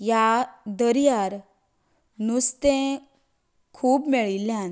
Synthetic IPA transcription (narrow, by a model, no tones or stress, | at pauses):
jad̪əɾjaɾ | nust̪ẽ | kʰuːbmeɭiljan